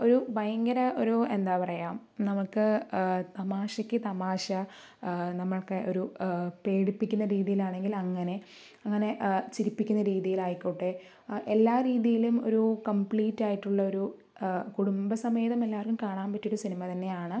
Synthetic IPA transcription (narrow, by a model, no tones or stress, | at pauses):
o̞ɾubɐjɐŋɡɐɾɐo̞ɾue̞nd̪aːpɐrɐjaːm | nɐmukːɨt̪ɐmaːɕɐkʲːɨt̪ɐmaːɕɐ | nɐmːɐɭkeʔo̞ɾupe̞ːɽipːikʲːunːɐɾiːðijilaːɳe̞ŋɡilɐŋːɐne̞ | ɐŋːɐne̞t͡ɕiɾipːikʲːunːɐɾiːðijilaːjikʲːuːʈːe | ʔe̞lːaːɾiːðijilumo̞̰ɾukɐmpɭiːtːaːjiʈːuɭːɐo̞ɾu | kuɽumbɐsɐmeːðɐmelːaːʋɐrkːumkaːɳaːmpɐtːioɾusinimɐt̪ɐnːe̞jaːɳɨ